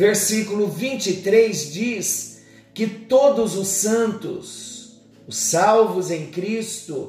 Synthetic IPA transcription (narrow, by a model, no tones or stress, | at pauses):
veɾsikulʊvĩnt͡ʃit̪ɾezd͡ʒis | kɪt̪od̪ʊzʊsɐ̃nt̪ʊ̰s | ʊsawvʊzẽj̃kɾist̪ʊ